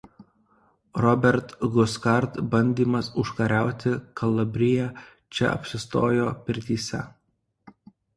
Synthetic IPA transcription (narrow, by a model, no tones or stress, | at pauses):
ɾɔbʲɛɾt̪ɡʊskɐɾt̪bɐnʲd̪ʲiːmɐsʊʃkɐɾʲæˑʊt̪ʲɪkɐlˠɐbʲɾʲɪjæ | t͡ʃʲɛ̰ɐ̰pʲsʲɪst̪oːjoːpʲɪɾʲt̪ʲiːsʲɛ